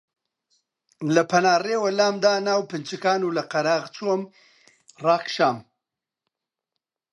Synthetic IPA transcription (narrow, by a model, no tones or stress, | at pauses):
lɐpʰɐnaːreːwɐlaːmd̪aːnaːwpɨnt͡ʃɨkaːnuːlɐqɐɾaːʁt͡ʃʰom | raːkʃaːm